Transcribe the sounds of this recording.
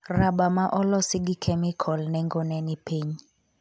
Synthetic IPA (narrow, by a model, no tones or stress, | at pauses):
raɓamaʔɔlɔsɪɡikʰɛmikʰɔlnɛŋɡɔnɛnipʰeɲ